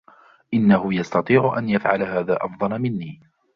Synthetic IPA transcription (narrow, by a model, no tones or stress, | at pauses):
ʔɪnːahʊjɑst̪ɑt̪ˤiːʕʊʔa̰njafʕalaɦaːðaːʔɑfd̪ˤɑlamɪnːiː